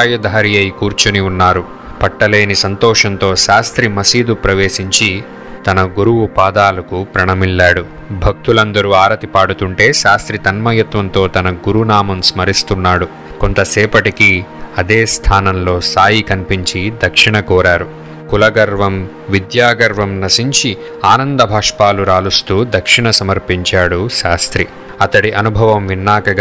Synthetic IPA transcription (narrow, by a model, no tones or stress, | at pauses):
jɐd̪ʱaːɾijɐjkuːɾt͡ʃuniunːaːɾu | pɐʈːɐle̞ːnisɐnt̪ɔːʂɐnt̪o̞ːʃaːst̪ɾimɐsiːd̪upɾɐʋe̞ːsiɲt͡ʃi | t̪ɐnɐɡuɾuwupaːd̪aːlɐkupɾɐɳɐmilːaːɽu | bʱɐk̚t̪ulɐnd̪ɐɾuaːɾɐt̪ipaːɽut̪uɳʈe̞ːʃaːst̪ɾit̪ɐnmɐjɐt̪ʋɐnt̪o̞ːt̪ɐnɐɡuɾunaːmɐmsmɐɾist̪unːaːɽu | ko̞nt̪ɐsɛːpɐʈikiɐd̪eːst̪ʰaːnɐmlo̞ːsaːjikɐnipiɲt͡ʃid̪ɐkʂiɳɐkɔːɾaːɾu | kulɐɡɐɾʋɐm | ʋid̪jaːɡɐɾʋɐmnɐsiɲt͡ʃi | aːnɐnd̪ɐbʱaːʂpaːluɾaːlust̪uːd̪ʱɐkʂiɳɐsɐmɐɾpiɲt͡ʃaːɽuʃaːst̪ɾi | ɐt̪ɐɽiʔɐnubʱɐʋɐmʋinːaːkɐɡ